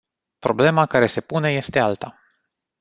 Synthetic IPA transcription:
pɾo̞ble̞makaɾe̞se̞pune̞je̞st̪e̞alt̪a

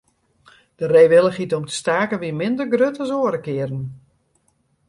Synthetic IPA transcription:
d̥əreːʋɪlˠəχitomtə̥staːkəʋimɪndərɡrøtəsoəɾəkɪərn

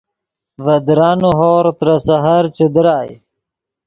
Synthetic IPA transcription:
vɐd̪ɾɑːnuɦoːɾt̪ɾɐsɐɦaɾt͡ʃud̪ɾaːj

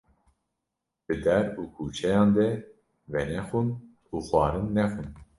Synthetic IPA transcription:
b̥ɨd̪ɛɾuːkʰuːt͡ʃʰɛjɑ̃ːnd̪ɛ | vɛnɛxun | uːxwɑːɾɨnːɛxun

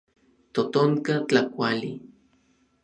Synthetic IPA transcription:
t̪ot̪oŋkat͡ɬakʷali

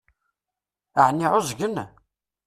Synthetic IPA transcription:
əʕnːiʕʊzʝən

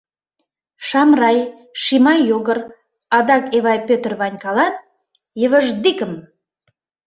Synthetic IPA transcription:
ʃɑmrɑj | ʃimɑjːoɣər | ɑd̪ɑkeβɑjpøt̪ərβɑnʲkɑlɑn | jəβə̆ʒd̪ikəm

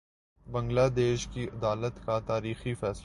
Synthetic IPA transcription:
bɐ̃ŋɡlaːd̪eːʃkiʔɐd̪aːlət̪kat̪aːɾiːxifɛːs

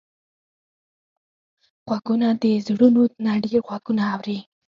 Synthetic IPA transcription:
ɣ̥waɡunad̪əzɽunonaɽeɣwaɡunaːwɾi

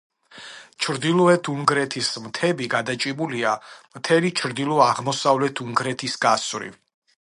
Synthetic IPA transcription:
t͡ʃʰɾd̪ilˠɔɛt̪ʰuŋɡɾɛt̪ʰismt̪ʰɛbiɡad̪at͡ʃʼibuliamt̪ʰɛlit͡ʃʰɾd̪ilˠɔaʁmɔsavlɛt̪ʰuŋɡɾɛt̪ʰisɡ̥asvɾḭ

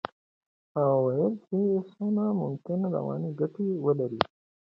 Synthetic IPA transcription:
awajəlkʰisonamʊmkɪnɾa̰wɑ̰ːniɡaʈiwəlaɾi

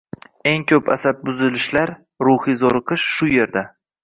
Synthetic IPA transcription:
e̞ŋkʲʰɵpa̰sat̪̚bʊzɪlɪʃlaɾ | ɾʊhizoɾɨqʰɨʃʃʊje̞ɾd̪a

